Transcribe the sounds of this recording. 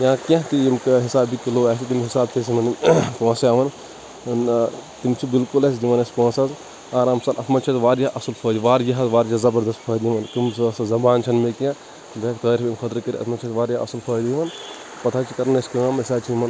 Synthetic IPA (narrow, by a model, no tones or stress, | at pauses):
jãːkʲjãk̪iimkɐɦisaːbikiloːaːsʰit̪imɦisaːb̚t̪ʰes̬imɐnkõːsiaːʋɐn | nt̪imt͡ʃʰibilkulɐs̬ʲd̪iʋɐnespõːsɐz | aːɾamsɐnʔɐsmɐnt͡ʃʰɐt̪ʋaːɾjaʔɐsɐlfʰoːd̪iʋaːɾjiɦɐzʋaːɾjazɐbɐɾd̪ɐst̪fʰɐːd̪iimɐnkimssɐzɐbaːnt͡ʃʰɐnmekjã | bɐkt̪ɐːɾʲbimkʰɐt̪ɾɨkɐɾiɐ̰smɐnt͡ʃʰɐt̪ʋaːɾjaʔɐ̰sɐlfʰɐːd̪iiʋɐn | pɐt̪ʰaːt͡ʃʰikɐɾnesʲkɐamɐsaːt͡ʃʰimɐn